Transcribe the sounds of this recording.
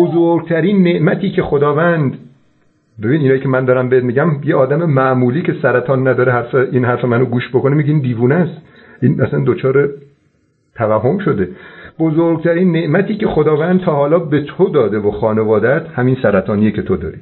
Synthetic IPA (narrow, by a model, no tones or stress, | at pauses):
bozoɾɡ̚t̪ʰæɾiːnːe̞ʔmæt̪ʰiːcʰe̞xod̪ɒːvænd̪ | be̞biːniːnɒːjiːcʰemænd̪ɒːɾæmbeet̪miːɡɟæmjeɒːd̪æme̞mæʔmuːliːcʰe̞sæɾæt̪ʰɒːnːæd̪ɒːɾeɦæɾfeʔiːnɦæɾfe̞mænoɡuːʃbokonemiɡʲeiːnd̪iːvuːnæst̪ | ʔinæsænd̪ot͡ʃʰɒːɾe | t̪ʰævæɦːo̞mʃo̞d̪eb̥ozoɾɡ̚t̪ʰæɾiːnːe̞ʔmæt̪ʰiːcʰe̞xo̞d̪ɒːvænd̪̚t̪ʰɒːhɒːlɒːbe̞t̪ʰod̪ɒːd̪evoxɒːne̞vɒːd̪æt̪hæminsæɾæt̪ʰɒːnijecʰet̪ʰod̪ɒ̰ːɾi